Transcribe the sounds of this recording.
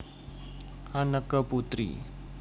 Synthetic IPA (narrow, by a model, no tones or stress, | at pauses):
anəkəput̪ɾḭ